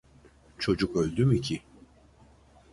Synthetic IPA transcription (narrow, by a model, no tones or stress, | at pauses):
t͡ʃʰo̞d͡ʒukø̞lʲd̪ymicʰi